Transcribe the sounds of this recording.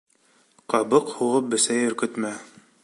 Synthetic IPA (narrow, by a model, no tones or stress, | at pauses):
qɑβɤqhuʁɤp̚bɘ̆sæjɵ̆ɾkɵ̆t̪mæ